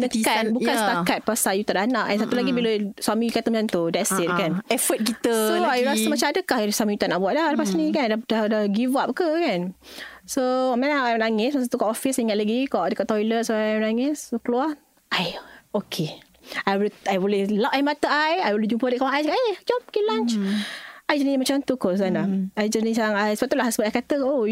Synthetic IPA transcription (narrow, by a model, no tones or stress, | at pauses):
nəkanbukanst̪akat̪̚pasajut̪aʔdanaʔɛ̃nsat̪ulaɡibiləswamikat̪əmat͡ʃant̪udasit̪̚kanɛfət̪̚kit̪əsoajuɾasəmat͡ʃamadəkahswamĩjut̪aʔnaʔbwaʔ̪̚laləpasnĩkandadadaɡivap̚kəkansomɛ̃naajmnaŋɪsmasat̪ukɔʔɔfisiŋat̪̚laɡikɔʔdəkɔʔt̪ɔjlət̪̚soaajmnaŋɪsokəlua | ʔajokʰe | ajwulajwulilaʔajmat̪əajajwulid͡ʒumpəliʔ̚kawaajakaʔed͡ʒɔmkilãnt͡ʃ | ajd͡ʒənimat͡ʃant̪ukos̬anlaajd͡ʒənisaaŋajsbapt̪uʔlahsəbət̪ajkat̪əkʔo